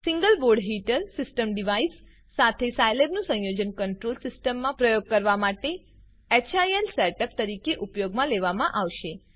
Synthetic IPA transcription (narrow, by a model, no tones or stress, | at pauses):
sĩŋɡəlboɾɖɦiʈəlsɪsʈəmɖiʋaisː | at̪ʰesajlebnũsə̃jod͡ʒənkəɳʈɾolsɪsʈəmːãpɾəjoɡ̚kəɾʋamaʈe | et͡ʃʰajelsaɾʈəp̚t̪əɾikeʔupjoɡmãleʋamãʔaʋʃe